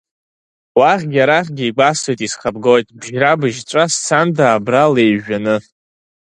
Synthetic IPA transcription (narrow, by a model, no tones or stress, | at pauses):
waχʲɡʲaɾaχʲɡʲiiɡ͡bʷasejtʼisχab̚ɡojtʼbʒrabɨʒʈ͡ʂʷʼast͡sʰandaːbrale̞jʒᶣanɨ